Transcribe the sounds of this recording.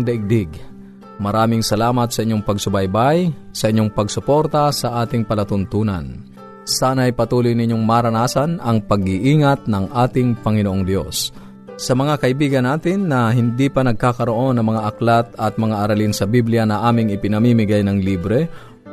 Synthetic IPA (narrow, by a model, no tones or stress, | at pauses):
ŋd̪ɐʔɪɡ̚d̪ɪɡ | mɐɾaːmɪŋsɐlaːmɐt̪sɐʔɪɲːoŋpɐɡ̚sʊbajbaj | sɐʔɪɲːoŋpɐɡsʊpo̞ɾt̪ɐsɐʔaːt̪ɪŋpɐlɐt̪ʊnt̪uːnɐ̰n | saːnɐɐjpɐt̪uːlʊjnɪɲːoŋmaːɾɐnaːsanɐŋpɐɡ̚ɪʔiːŋɐt̪̚nɐŋʔaːt̪ɪŋpɐŋɪnoʔoŋd̪jo̞sː | ɐmɐŋakɐʔɪbiːɡɐnːaːt̪ɪnːɐɦɪnd̪ipɐnɐɡ̚kaːkɐɾoʔo̞nɐŋmɐŋaʔɐklat̪ɐt̪̚mɐŋaʔɐɾɐlinsɐbiblɪjanɐʔaːmɪŋɪpɪnɐmiːmɪɡajnɐŋliːbɾɛ